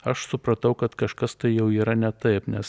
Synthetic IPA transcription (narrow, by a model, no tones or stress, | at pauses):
ɐʃsʊpɾɐt̪ɐʊkɐt̪kɐʃkɐst̪ɐɪjɛʊiːɾɐnʲɛt̪ɐɪpnʲɛs